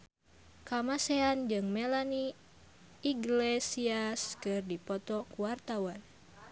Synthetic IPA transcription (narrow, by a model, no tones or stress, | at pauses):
kamasɛand͡ʒɨŋmɛlaniː | ɡlesiaskɨrdipɔt̪ɔkuwart̪awan